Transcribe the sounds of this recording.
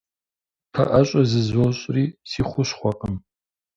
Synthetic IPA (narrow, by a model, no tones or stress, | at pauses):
pʰɐ̰ʔɐɕʼɐzɨzoɕʼriːsiːχʷʊɕχʷɔqʼəm